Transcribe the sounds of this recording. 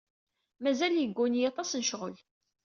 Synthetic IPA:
mæzæljəɡːunjɑt̪ˤɑsnəʃʁəl

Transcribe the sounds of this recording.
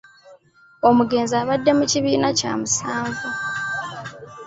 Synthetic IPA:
o̞muɡe̞ːnziaːβadːe̞muciβiːnaca̰ːmusaːɱvu

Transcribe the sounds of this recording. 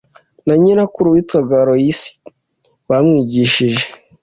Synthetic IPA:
naɲinakuɾuwitwaɡaɾojisi̥ | βamŋiːɟiʃiʒe

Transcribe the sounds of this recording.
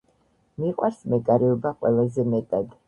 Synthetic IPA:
miqʼwaɾsmɛkʼaɾɛɔbaqʼwɛ̰lˠazɛmɛt̪ʼad̪

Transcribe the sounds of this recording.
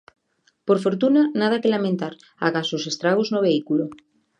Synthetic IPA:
poɾfo̞ɾt̪unanað̞akelamẽnt̪aɾ | a̰kasose̞st̪ɾaɣ̞oznoβeikulo

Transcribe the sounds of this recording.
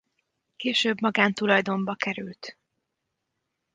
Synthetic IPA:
keːʃøːbmɒɡaːnt̪ulɒjd̪o̞mbɒkɛɾylt̪

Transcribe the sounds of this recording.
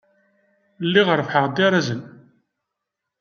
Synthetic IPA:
lːiʁəɾˤfħəʁd̪iɾˤazən

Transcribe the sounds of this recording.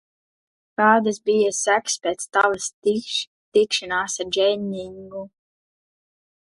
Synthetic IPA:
kɑːd̪asbijasækspʲeɛːt̪st̪avast̪iʃ | t̪ikʃanaːsaɾd͡ʒɛɲːiŋɡu

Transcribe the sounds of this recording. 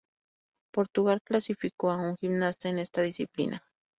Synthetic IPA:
poɾt̪uɣalklasifikoauŋximnast̪enest̪aðisiplḭnʔa

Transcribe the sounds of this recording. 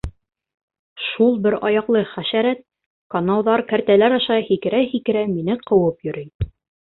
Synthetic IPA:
ʃulˠbɘɾɑjɑqlˠɤχæʃæɾæt̪̚ | kɑnɑwðɑɾkæɾt̪ælæɾɑʃɑhikɘ̆ɾæhikɘ̆ɾæminɘqʰɤ̆wɤpjɵ̆ɾɘj

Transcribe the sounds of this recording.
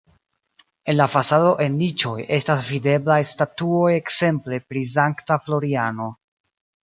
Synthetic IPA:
e̞nlafasado̞ʔe̞nlit͡ʃo̞je̞stasvide̞blajstatuo̞jekse̞mple̞pɾizaŋktaflo̞ɾiano̞

